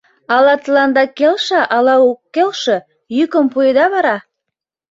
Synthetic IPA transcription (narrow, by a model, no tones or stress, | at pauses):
ɑlɑt̪əlɑnd̪ɑkelʃɑʔɑlɑokːelʃə̆ | jykəmpujəd̪ɑβɑɾɑ